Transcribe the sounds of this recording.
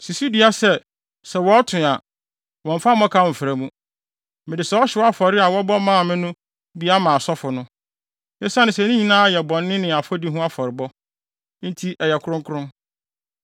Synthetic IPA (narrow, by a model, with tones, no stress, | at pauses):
si˨su˦di˨˦a˦sɛ˨ | sɛ˨wɔ˦tʰʊ̃˨a˨ | wɔ̃˨m̩˨fa˦m˦ɔ̃˦kʰa˦˨m̩˨fɾæ˨mũ˦ | mɪ̃˨dɪ˨sɛ˨˦ɔ˦ɕɪ˦wɔ˦a˦fɔ˨ɾɪ˦a˨wɔ˦bɔ˦mãː˦˨mɪ̃˦nʊ̃˦ | bi˦a˦mã˨sɔ˦fʊ˨nʊ̃˦ | nɪ˦sa˦nɪ̃˨sɛ˨nĩ˦ɲĩ˨nãː˦jɛ˨bɔ̃˨nːɪ̃˦nɪ̃˨a˨fɔ˦di˦ɦʊ̃˦a˦fɔ˨ɾɪ˨bɔ˦ | n̩˦tʰi˦ʔɛ˨jɛ˨kʰʊ˦ɾʊ̃˦ŋkʰʊ˦ɾʊ̃˦